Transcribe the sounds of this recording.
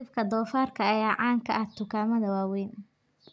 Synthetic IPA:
ɪfkʰɐd̪ɔːfaːrkʰɐɐjaːʕɑːŋkʰɐʔɐht̪ʰʊkʰaːmɐðɐwaːwɛjn

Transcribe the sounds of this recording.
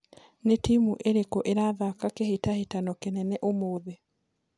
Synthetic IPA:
netimuʔeɾekɔʔeɾaðakakehetahetanɔkenɛnɛʔomoːðe

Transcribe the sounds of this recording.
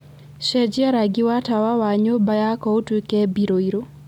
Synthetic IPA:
ʃɛd͡ʒɪaɾaɡɪwatawawaɲobajakɔotwekɛbiɾoiɾo

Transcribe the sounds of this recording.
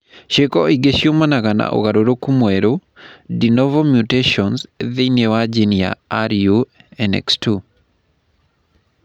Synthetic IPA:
ʃekɔiɡeʃjomanaɣana̰ʔo̰ɣaɾoɾokumweɾodinɔvomjuteʃɔnsðinewad͡ʒinja̰aɾjuɛnɛ̰kstu

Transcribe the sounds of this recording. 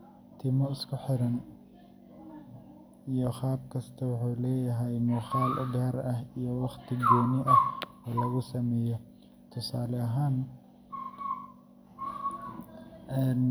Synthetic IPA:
t̪ʰɪmɔɪskʰʊħɪɾɐn | ijɞχɑːb̚kʰɐst̪ʰɐwʊħuːlɛːjɐɦɛjmʊχɑːlʔɡaːɾɐhijɔwɑχt̪ʰɪɡɔːnɪʔɐh | ɔːlɐɣʊsɐmɛːjɔ | t̪ʰʊsaːlɛɐɦaːn | ɛːn

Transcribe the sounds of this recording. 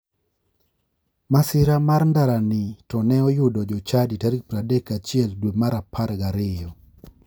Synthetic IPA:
masɪɾamarndaɾanɪtɔnɛɔjʊdɔd͡ʒɔt͡ʃaditaɾik̚pɾadekat͡ʃɪɛldwemaɾapʰaɾɡaɾɪjɔ

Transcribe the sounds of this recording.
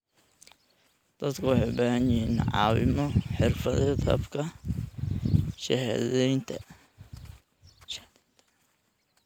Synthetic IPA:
d̪̥ɐd̪kʰɐwɑħejbahɐnjɪinʕɑ̰ːwɪ̰mɔħɪrfɐðɛd̪ɐ̰bkʰɐ | ʃɛɦðɛjnt̪ʰɐ̰

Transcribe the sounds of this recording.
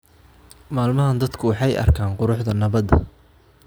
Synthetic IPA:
maːlmɐɦɐnd̪ɐd̪kʰʊwɑħɑjɐ̰rkʰaːɴqʊɾʊħd̪ɐnɐβɐd̪ɐ

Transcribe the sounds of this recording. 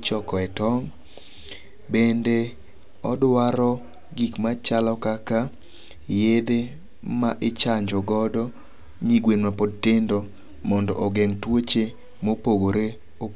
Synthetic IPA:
t͡ʃɔkɔɛtɔŋ | bende | ɔdwaɾɔ | ɡikmat͡ʃalɔkaka | jed̪e | maʔɪt͡ʃaɲd͡ʒɔɡɔdɔ | ɲiɡwenmapod̚tɪndɔ | mɔndɔ̰ʔɔɡɛŋtwot͡ʃe | mopoɡoɾe | o

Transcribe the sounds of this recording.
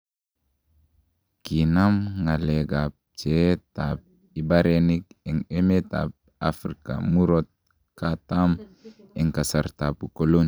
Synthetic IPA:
kinamŋaleɡap̚t͡ʃetap̚ | ibaɾenikeŋemeta̰p̚ | afɾika̰muɾot̪̚ | katam | eŋkasaɾtapukolon

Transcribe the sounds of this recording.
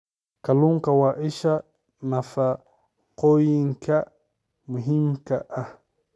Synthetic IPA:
kaluŋkawaʔiʃa | nafa | qojiŋka | muɦimkaʔa

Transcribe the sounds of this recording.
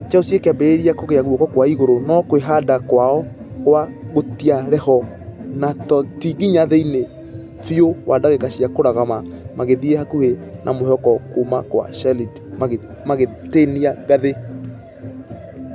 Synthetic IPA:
t͡ʃaosiekeabeeɾiakoɣeaɣwɔkɔkwaiɣoɾonɔkweɦadakwaɔ | kwaɣotiaɾɛhɔ | natɔtiɡiɲaðeine | fiowʔadaɣekaɕiakoɾaɣamamaɣeðiehakuhenʔamoɦɔkɔkomakwa̰ʃɛlid | maɣe | maɣeteniaɡaðe

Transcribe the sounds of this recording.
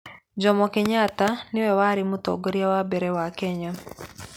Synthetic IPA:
d͡ʒɔmɔkɪɲat̪anɪwɛwaɾɪmʊt̪ɔ̰ɡoɾjawabɛɾɛwakɛɲa

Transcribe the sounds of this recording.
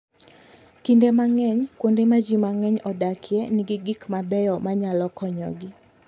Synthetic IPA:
kindemaŋɛɲkwondemad͡ʒimaŋɛɲɔdakʰjɛnɪɡiɡikmabɛjɔmaɲalɔkɔɲɔ̰ɡi

